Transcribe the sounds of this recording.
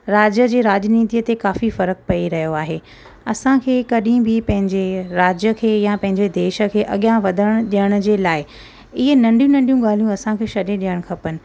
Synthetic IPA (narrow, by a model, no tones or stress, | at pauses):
ɾaːd͡ʑjəd͡ʑeːɾaːd͡ʑniːt̪ijət̪ekaːfifɐɾək̚pɐiɾɐɦijoaːɦeː | ɐsãkʰeːkɐɗĩbʱɪpɐ̃ɦɪ̃ɲd͡ʑeɾaːd͡ʑjəkʰeːjãpɐ̃ɦɪ̃ɲd͡ʑed̪eːʃə̆kʰeːʔɐɠjãʋɐd̪ʱəɽ̃ɗijəɽ̃ʊ̆d͡ʑeːlaːɪ | ɪɦenɐ̃ɳɖijũnɐ̃ɳɖijũɠaːl̤ijũɐsãkʰeːʃɐɗẽɗijəɽ̃kʰɐpənɪ̆